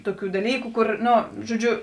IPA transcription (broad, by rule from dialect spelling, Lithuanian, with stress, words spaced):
ˈtʊˌkʲuː dɐˈlʲiːkʊ ˈkʊr ˈnoː ʒoːˈd͡ʒʲʊ